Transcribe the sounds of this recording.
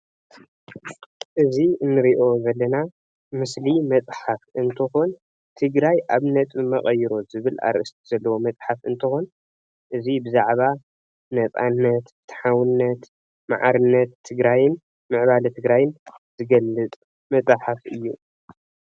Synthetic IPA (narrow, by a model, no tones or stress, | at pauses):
ʔɨziɨnːɨɾiʔo̞zɐlːɐna | mɨslimɐt͡sʼħafɨnt̪ʰɨxon | t̪ʰɨɡɾajʔaβnɐt̪ʼmɐ̰χʼɐjɪɾo̞zɨβɨla̰ɾʔɨst̪ʰiz̥ɐlːɐwo̞mɐt͡sʼħafɨ̰nt̪ʰɨxon | ʔɨzibɨzaʕβa | nɐt͡sʼa̰nːɐt̪ː | ħawɨnːɐt̪ | ma̰ʕa̰ɾɨnːɐt̪ʰːɨɡɾajɪn | mɨʕβalt̪ʰɨɡɾajɪnz̥ɨɡɐlːɨt͡s̪ʼ | mɐt͡sʼaħafɨ̰jːu